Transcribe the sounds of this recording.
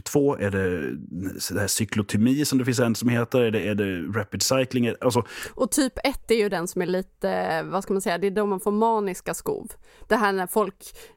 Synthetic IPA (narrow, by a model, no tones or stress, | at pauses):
t̪ʰvoːʔæɖɛ | d̪ɛhæːʂʏklʊt̪ʰʏmiːsɔmd̪ɛfɪnsɛnsɔmheːt̪əɾæɖɛːɖɛɾɛpɪd̪sajklɪŋɛʔalsɔʔɔt̪ʰyːpɛt̪ːæɾjɵd̪ɛnsɔmæɭiːt̪əvaskamansɛjːad̪ɛːɖɔmanfoːɾmɑːnɪskaskṵːvd̪̥ɛɦæːɳæfɔlk